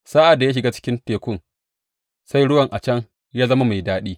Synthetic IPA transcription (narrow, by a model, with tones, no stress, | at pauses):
sa˦ʔa˨dːa˨ja˦ʃɪ˨ɡaː˦t͡ʃɪ̥˦kʲɪ˦nteː˨kʷʊ˦ŋ | sa˦jɽʊ˦wɐ˨ŋʔa˨t͡ʃɐ˦ŋ | jaː˦zɐ˦ma˦ma˨jdaː˦ɗiː˦